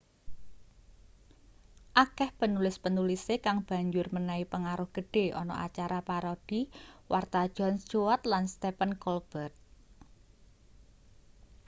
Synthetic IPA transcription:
ʔakɛhpənulɪspənulisekaŋb̥a̤ɲd͡ʒʊrmənaipəŋaɾʊhɡ̥ə̤ɖ̥e̤ʔɔ̰nɔ̰ʔa̰t͡ʃaɾapaɾod̪̥iwʔart̪ḁʒ̥ɔ̤nt͡ʃuwat̪̚lanst̪epənkɔlb̥ət̪̚

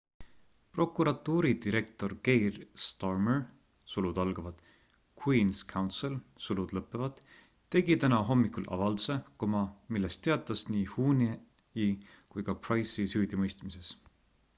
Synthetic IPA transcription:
pro̞kˑuɾɑt̪ːˑuːɾid̪iɾe̞k̚t̪o̞rke̞jrst̪ɑrmer | sulud̪̥ɑlɡ̥ɑvɑd̪̥ | kʰwiːnskʰɑwnt̪selsulud̪̥lɤpːˑevɑd̪̥ | t̪ːe̞ɡit̪ænɑɦo̞mːikulʔɑ̰vɑld̪use̞komɑmilːest̪ːe̞ɑt̪ːˑɑsniːhuːni | i | kujkɑprɑjsisyːd̪imɤjst̪mise̞s

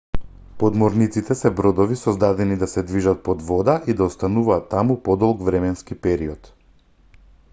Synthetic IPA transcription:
pɔd̪mɔɾnit̪sit̪ɛsɛbɾɔd̪ɔvisɔzd̪ad̪ɛnid̪asɛd̪viʒat̪̚pɔd̪vɔd̪aʔid̪aɔst̪anuvaːt̪ːamupɔd̪ɔlˠɡvɾɛmɛnskipɛɾiɔt̪

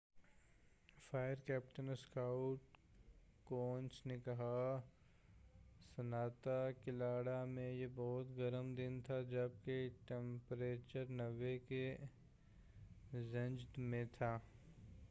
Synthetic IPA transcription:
fʰaːjəɾkɛːpʈənskaʊʈ | kõːnt͡ʃnekɐɦa | sɐnaːt̪akɪlaːɽamẽjebɔːʊt̪ɡɐɾəmd̪ɪnt̪ʰad͡ʒɐb̚keʈẽmpɾeːt͡ʃəɾnɐʋeke | zɐ̃nd͡ʒd̪mẽt̪ʰaː

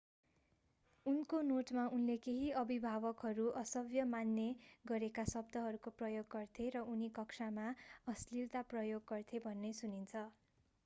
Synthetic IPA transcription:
unkonoʈmaunlekeɦiʌbʱibʱabʌkɦʌɾuʔʌsʌbjʌmanːeɡʌɾekasʌbd̪ʱʌɦʌɾukoprʌjoɡːʌrt̪ʰeɾʌunikʌksamaʌslilt̪aprʌjoɡːʌrt̪ʰebʱʌnːesunint͡sʰʌ

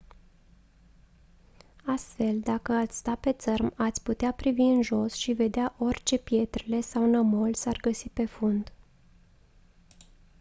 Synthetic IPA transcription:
ast̪fe̞ld̪akəat̪sʲst̪ape̞t̪sərmat̪sʲput̪eapɾiviɨnʒo̞sʃive̞d̪eaʔo̞rʲt͡ʃe̞pje̞t̪ɾele̞sawnəmo̞lsarɡəsipe̞fund̪

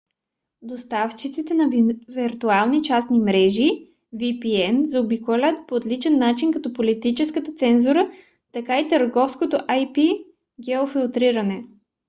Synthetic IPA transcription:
d̪ost̪aft͡ʃit̪sit̪ɛnɐviɾt̪ualˠnit͡ʃasnimɾɛʒi | vipiɛnzɐobikolʲat̪̚poːt̪lit͡ʃɛnːat͡ʃinkɐt̪ɔpolit̪it͡ʃɛskət̪ət̪sɛnzuɾə | t̪ɐkait̪əɾɡɔfskot̪oʔajpi | ɡɛofilˠt̪ɾiɾɐnɛ

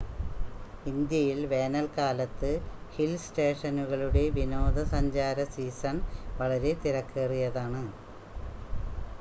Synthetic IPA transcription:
ind̪jɐjilʋe̞ːnɐlkaːlɐt̪ːɨhilsʈe̞ːʂɐnuɣɐɭuɽe̞ʋino̞ːd̪ʱɐsɐɲd͡ʑaːɾɐsiːsɐnʋɐɭɐɾe̞t̪iɾɐkːerijɐðaːɳɨ

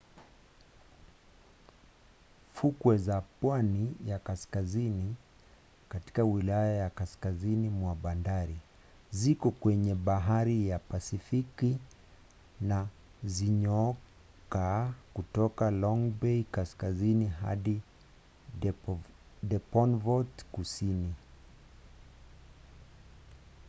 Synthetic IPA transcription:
fukwɛzapwanijakaskazini | kati̥kawilajajakaskazinimwaɓandaɾi | zikɔkwɛɲɛɓaɦaɾijapasifiki | na | ziɲɔ | kakutɔkalɔŋbɛikaskaziniɦa̰ɗi | ɗɛpɔnvɔtkusini

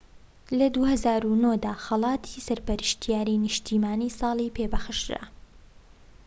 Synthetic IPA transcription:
lɐd̪uhɐzaːɾunod̪aːxɑlˠɑːt̪ʰi̥sɐɾpɐɾɨʃt̪ʰijaːɾinɨʃt̪ʰiːmaːniːsˤɑːlˠipʰeːbɐxɨʃɾa̰

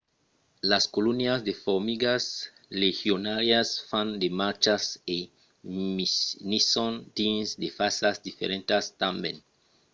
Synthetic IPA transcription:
laskolunjasd̪efoɾmiɡas | lexjonaɾjasfãnd̪emaɾt͡ʃase | minisõnt̪ĩnsd̪efasasd̪ifḛɾẽnt̪ast̪ãmbjḛ̃n

